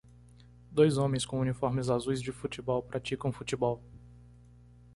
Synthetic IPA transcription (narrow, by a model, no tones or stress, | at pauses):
d̪ojzõmẽj̃skõunifɔɾmɪzazujzd͡ʒɪfut͡ʃibɔwpɾʔat͡ʃikɐ̃w̃fut͡ʃibɔw